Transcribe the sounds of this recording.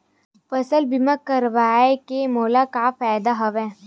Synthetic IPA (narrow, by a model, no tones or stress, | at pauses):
fɐsəlbimakəɾʋaːekemɔːlakaːfaːjd̪aɦɐʋɛ̃ː